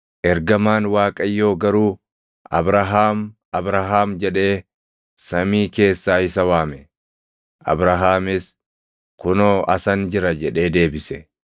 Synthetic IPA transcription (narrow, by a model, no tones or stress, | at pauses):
ʔɛɾɡɐmaːnwaːkʼɐjːo̞ːɡɐɾuː | ʔɐbɾɐɦaːm | ɐbɾɐɦaːmd͡ʒɛᶑe̞ː | sɐmiːke̞ːsːaːhɪsɐwaːmɛ | ʔɐ̰bɾɐɦaːmɪs | kʊnoːɐsɐnd͡ʒɪɾɐd͡ʒɛᶑe̞ːd̪e̞ːbɪsɛ